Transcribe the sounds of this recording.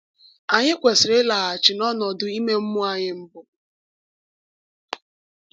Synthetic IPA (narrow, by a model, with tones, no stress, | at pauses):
a˨ɲɪ˦kʷe˨sɪ˨ɾɪ˦la˨a˨t͡ʃɪ˨nɔ˦nɔ˨dʊ˨i˦me˦m̩˦mʊ˦a˨ɲɪ˦m̩˦bʊ˨